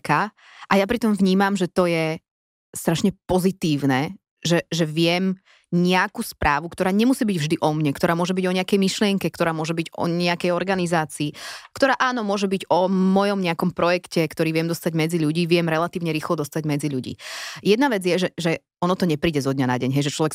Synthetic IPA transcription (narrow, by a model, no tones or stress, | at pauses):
ka | ʔajapɾit̪ɔmvɲiːmamʒɛt̪ɔjɛ | st̪ɾaʃɲɛpɔzit̪iːʋnɛ | ʒɛʒɛʋɪɛm | ɲɛakuspɾʔaːʋukt̪ɔɾaːɲɛmusiːbiɟvʒd̪iʔɔmɲɛkt̪ɔɾaːmʊɔʒɛbiɟɔɲɛakɛjmiʃlɪɛŋkɛkt̪ɔɾaːmʊɔʒɛbiɟɔ̰ɲɛakɛjɔɾɡanizaːt͡siːkt̪ɔɾaːʔaːnɔmʊɔʒɛbiɟɔmɔjɔmɲɛakɔmpɾɔjɛkcɛkt̪ɔɾiːʋɪɛmd̪ɔst̪aɟmɛd͡ziʎuɟiːʋɪɛmɾɛlat̪iːʊɲɛɾiːxlɔd̪ɔst̪aɟmɛd͡ziʎuɟḭːjɛd̪naʋɛd͡zɪjɛʒɛʒɛ | ɔnɔt̪ɔɲɛpɾiːɟɛzɔd̪̚ɲana̰ɟɛɲɦɛjʒɛt͡ʃlɔʋɛk